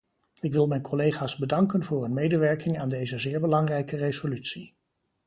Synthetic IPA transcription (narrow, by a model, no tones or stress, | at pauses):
ɪkʋɪlˠmɛjnkʰɔlejχaːzbədɑŋkənvʊːɹənmejdəʋɛɹkɪŋaːndejzəzɪːɹbəlɑŋrɛjkərezolytsi